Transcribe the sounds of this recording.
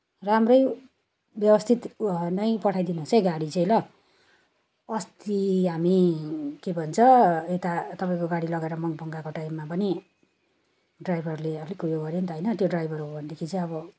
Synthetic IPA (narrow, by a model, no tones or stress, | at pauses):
ramrʌj | bjʌbʌst̪ʰit̪nʌjpʌʈʰajd̪inuɦot͡sʌjɡaɽit͡sʌ̃jlʌ | ʌst̪iɦamikebʱʌnt͡sʰʌet̪at̪ʌpaĩkoɡaɽilʌɡaeɾʌmʌŋbʱʌŋɡakoʈajmːapʌni | ɖrajbʱʌɾuleʌpʰlikujoɡʌɾjent̪ʌɦʌjnʌt̪joɖrajbʱʌɾuɦobʱʌnd̪ekʰit͡sʌ̃ʌbʌ